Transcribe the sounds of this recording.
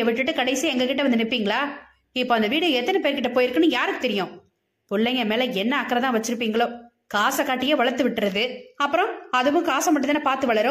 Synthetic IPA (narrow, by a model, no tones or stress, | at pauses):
eʋɪʈːɯʈːɯkɐɽɐɪsiɛŋɡɐkɪʈːɐʋɐnd̪ɯnɪpːiːŋɡɐɭaː | ɪpːoːɐnd̪ɐʋiːɽɯɛt̪ːɐnɐpeːɾkɪʈːɐpoːjɪɾɯkːɐnɯ̃jaːɾɯkːɯt̪ɛɾɪjʊ̃ː | pʊɭːɐŋɐmeːlɛɛnːɐɐkːɐɾɐt̪ãːʋɐt͡ʃːɪɾɯp̬ːiːŋɡɐɭoː | kaːsɐkːaːʈːɪjeːʋɐɭɐɾt̪ːɯʋɪʈːɯɾɐðɯɐpːɯɾɔ̃ɐðɯʋʊ̃kaːsɐmɐʈːɯðɐnːɐpaːɾt̪ɯʋɐɭɐɾʊ̃